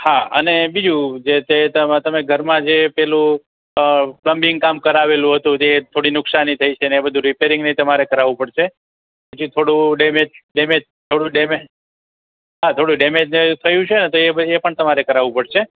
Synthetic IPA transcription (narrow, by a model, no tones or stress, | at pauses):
haə̰nebid͡ʒũd͡ʒet̪et̪ət̪əmeɡʱəɾmãd͡ʒepɛɦlũ | pləmbɪŋɡkamkəɾaʋelũɦət̪ũt̪et̪ʰoɽinʊksanit̪ʰəit͡ʃʰeneebəd̪ʱũɾipeɾɪ̃ŋɡnəit̪əmaɾekəɾaʋũpəɽʃʰe | pət͡ʃʰit̪ʰoɽũɖemed͡ʒɖemed͡ʒ | t̪ʰoɽũɖeme | ɦat̪ʰoɽũɖemed͡ʒnt̪ʰəjũt͡ʃʰenet̪oebəepəɳt̪əmaɾekəɾaʋũpəɽʃʰe